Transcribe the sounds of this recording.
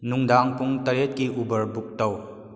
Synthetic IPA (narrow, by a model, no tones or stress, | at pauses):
nuŋdaŋpuŋtɐɾet̚kiʔubɐɾbuk̚tɐw